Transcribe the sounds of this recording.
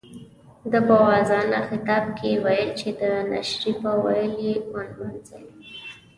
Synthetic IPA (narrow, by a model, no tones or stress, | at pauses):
d̪əpəwɑzɑnaxɪt̪ɑbkʰewajəlt͡ʃed̪əna̰ʃɾipəwa̰jəlewanmanzai